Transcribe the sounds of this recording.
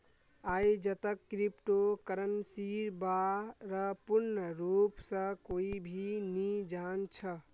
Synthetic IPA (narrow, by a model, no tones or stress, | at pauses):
ajd͡ʒət̪əkːɾipʈokəɾənsiɾbaɾəpuɾnəɾupsə̃koibʱinid͡ʒant͡ʃʰə